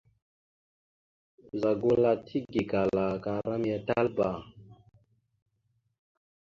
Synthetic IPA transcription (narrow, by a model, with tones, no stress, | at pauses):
za˨ɡu˦la˨tʰi˦ɡi˨ka˨la˨ka˨ɾa˦m˦a˨ta˦lba˨